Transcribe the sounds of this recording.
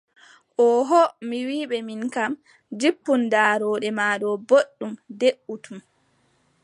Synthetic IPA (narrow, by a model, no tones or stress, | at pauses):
ʔɔɦɔmiwiːɓɛminkam | d͡ʒipːundaːɾɔːɗɛmaːɗɔboɗːumdeʔːutum